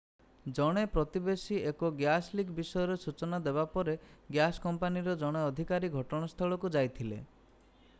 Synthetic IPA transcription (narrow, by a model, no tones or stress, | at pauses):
d͡ʒɔɽ̃epɾɔt̪ibesiekoɡjaslikbisɔjɔɾesut͡ʃɔnad̪ebapɔɾeɡjaskɔmpaniɾɔd͡ʒɔɽ̃eɔd̪ʱikaɾiɡʱɔʈɔɽ̃ast̪ʰɔɭɔkud͡ʒajt̪ʰilḛ